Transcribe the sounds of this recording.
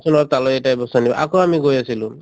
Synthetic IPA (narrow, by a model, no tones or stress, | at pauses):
sɔnɔɾt̪alɔeʈajbɔsanibɔ̰ʔa̰koamiɡojasilu